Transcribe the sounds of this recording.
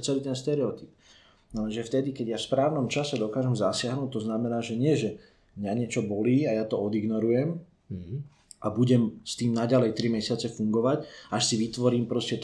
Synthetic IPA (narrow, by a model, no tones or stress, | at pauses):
t͡sɛliːt̪ɛnst̪ɛɾɛɔt̪ip̚ | naɛnʒɛft̪ɛd̪ikɛɟjafspɾaːʊnɔmt͡ʃasɛd̪ɔkaːʒɛmzasɪaɦnuːt̚t̪ːɔznamɛnaːʒɛɲɪɛʒɛ | mɲaɲɪɛt͡ʃɔbɔliːajaːt̪ɔɔd̪iɡnɔɾujɛm | ʔabuɟɛmst̪iːmnaɟalɛjt̪ɾimɛsɪat͡sɛfuŋɡɔʋacʔaʃsiʋit̪ʋɔɾiːmpɾɔscɛt̪